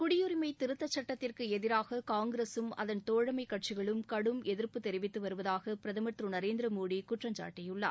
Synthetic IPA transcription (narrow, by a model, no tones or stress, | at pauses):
kʊɽɪjɯɾɪmɐɪt̪ɪɾɯt̪ːɐt͡ʃːɐʈːɐt̪ːɪrkɯɛðɪɾaːɣɐkaːŋɡɪɾeːsɯmɐ̰ðɐnt̪oːɻɐmɐɪkːɐʈ̚t͡ʃɪɣɐɭɯmkɐɽɯmɛðɪrpɯt̪ɛɾɪʋɪt̪ːɯʋɐɾɯʋɐðaːɣɐpɪɾɐðɐmɐʈ̪ɾɯnɐɾeːnd̪ɾɐmoːɽikʊʈrɐɲd͡ʒa̰ːʈːɐjɯɭːɐ̰